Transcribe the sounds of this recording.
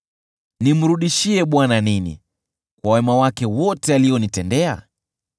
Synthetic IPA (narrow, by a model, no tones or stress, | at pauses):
nim̩ɾuɗiʃiɛɓwananinḭ | kwawɛmawakɛwɔtɛaliɔnitɛndɛa̰